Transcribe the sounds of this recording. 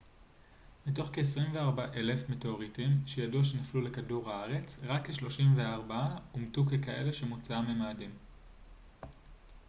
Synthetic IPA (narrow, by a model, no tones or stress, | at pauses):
mito̞χke̞ːsʁimveaʁbaʔe̞le̞fme̞teo̞ʁitimʃejaduaʃenaflule̞kaduʁhaaʁe̞t͡sʁakːeʃlo̞ʃimve̞aʁbaaumtukekae̞̰le̞ʃe̞mut͡saamemaːdim